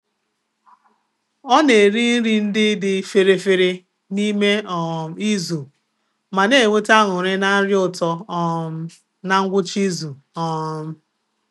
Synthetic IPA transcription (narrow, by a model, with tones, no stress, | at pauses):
ɔ˦ne˨ɾi˦n̩˦ɾi˦n̩˦dɪ˦dɪ˦fe˨ɾe˨fe˨ɾe˦ | ni˦me˦ɔ˨i˦zu˨ | ma˨ne˦˨e˨ŋʷe˦ta˦ŋʊ˨ɾe˦na˦ɾjʊ˨tɔ˦ | na˨ŋ̩˦ɡʷʊ˦t͡ʃi˦zu˨ | ɔ˦m̩˦